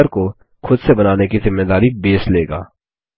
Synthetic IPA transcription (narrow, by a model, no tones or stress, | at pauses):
əɾko | xʰʊd̪sebɐnaːnekizɪmːed̪aːɾibeːsleːɡa̰ː